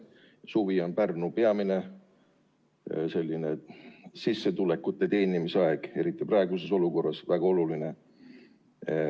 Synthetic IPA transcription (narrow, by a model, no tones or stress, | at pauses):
suvio̞npærnupe̞ɑmine̞ | se̞lʲːine̞sisːe̞t̪ule̞kːˑut̪ːˑe̞t̪e̞ːnimiseɑeɡ̥e̞ɾit̪ːˑiprɑe̞ɡuse̞so̞luko̞rːɑsvæɡ̥ɑo̞luline̞